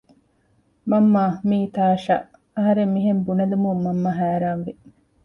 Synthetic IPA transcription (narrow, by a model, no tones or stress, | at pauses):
mɐmːaːmiːt̪aːʃɐ̰ | ɐɦɐɾemːiɦembunɐd̪umuːɐmːɐɦæːɾaːnʋi